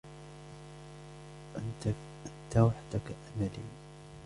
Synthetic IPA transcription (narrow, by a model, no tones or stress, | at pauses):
ʔn | ʔɪnt̪awaħd̪akʔamalḭː